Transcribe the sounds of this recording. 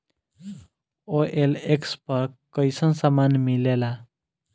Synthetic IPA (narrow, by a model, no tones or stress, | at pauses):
oʔelekspəɾkəjsənsamanmilela